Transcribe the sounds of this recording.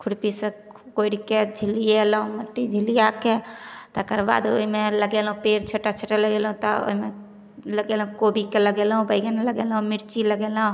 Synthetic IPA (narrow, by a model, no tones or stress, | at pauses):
kʰuɽpise | koiɽiked͡ʒʱilijelɦũməʈːid͡ʒʱilijaket̪ːkəɾba̰d̪o̰ɦimeləɡelɦũpeɾt͡ʃʰeʈat͡ʃʰəʈaləɡelɦũt̪ɔo̰ɦime | ləɡelɦũkobikeləɡelɦũbəjɡeneləɡelɦũmiɾt͡ʃiləɡelɦũ